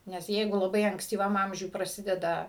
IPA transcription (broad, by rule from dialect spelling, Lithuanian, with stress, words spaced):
nʲɛs ˈjɛɪɡʊ lˠɐˈbɐɪ ɐŋksʲtʲiːˈʋɐm ˈɐmʲʒʲʊj prɐˈsʲɪdʲɛdɐ